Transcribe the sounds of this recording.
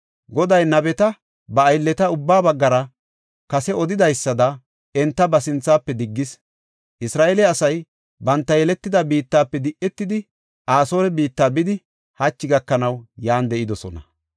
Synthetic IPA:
ɡɔd̪ɐjnɐbɛt̪ɐ | bɐːjlːɛt̪ɐʊbːaːbɐɡːɐɾɐ | kɐsɛɔd̪ɪd̪ɐjsːɐd̪ɐ | ɛnt̪ːɐbɐsɪnt͡sːaːpːɛd̪ɪɡːɪs | ʔɪsɾaːʔelɛɐsɐj | bɐnt̪ːɐjɛlɛt̪ːɪd̪ɐbiːt̪ːaːpːɛd̪ɪʔːɛt̪ːɪd̪ɪ | aːso̞ːɾɛbiːt̪ːaːbɪd̪ɪ | hɐt͡ʃːɪɡɐkːɐnɐwjaːnd̪ɛʔɪd̪ɔsɔnɐ

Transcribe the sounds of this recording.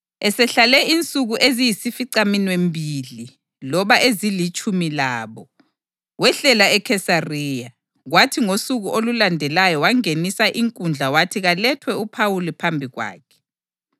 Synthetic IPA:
ɛsɛɬalɛint͡sʼuɣuʔezijisifiǀaminwembʱili | lɔβaʔezilit͡ʃʼumilaːβɔ | ɣwɛɬɛlaɛkʰɛsariːja | ɣwatʰiŋosuɣuʔolulandʱɛlajɔwaŋenisaʔiŋkʼund͡ɮʱawatʰiɣalɛtʰwɛupʰawulipʰambʱiɣwa̰ːkʰɛ̥

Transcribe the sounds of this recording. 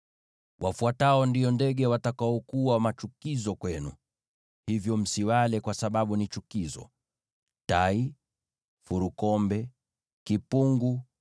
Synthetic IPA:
wʔafuataɔndiɔndɛɠɛwatakaɔkuwamat͡ʃukizɔkwɛnṵ | hivjɔm̩siwalɛkwasaɓaɓunit͡ʃukizɔ̰ | tai | fuɾukɔmbɛ | kipuŋɡu

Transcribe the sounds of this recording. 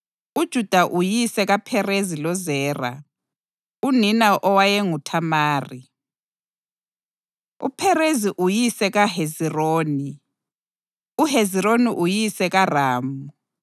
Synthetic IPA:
ud̥ʒ̥ʱud̥ʱaʔujisɛɣapʰɛrezilɔzɛːra̰ | uninaʔɔwajɛŋutʰamaːri | ṵpʰɛreziʔujisɛɣaheziroːni | uɦeziɾoniʔujisɛɣaraːmu

